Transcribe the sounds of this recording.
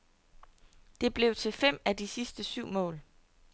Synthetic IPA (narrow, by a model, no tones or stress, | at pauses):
d̥e̝b̥le̝ʊt͡sʰe̝fem̰æd̥isisd̥əsyʊ̰mɔ̰̽ːl